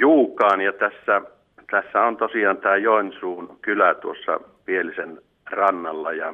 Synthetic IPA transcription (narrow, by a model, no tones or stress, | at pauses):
juːkˑɑːnjɑt̪æsːæ | t̪æsːæont̪osiɑːnt̪æːjoensuːnkylæt̪uosːɑ̰ | pielisen | rɑnːɑlːɑjɑ